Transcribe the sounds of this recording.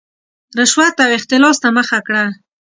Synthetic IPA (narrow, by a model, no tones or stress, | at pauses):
ɾɪʃwat̪awɪxt̪ɪlɑst̪aməxakɽa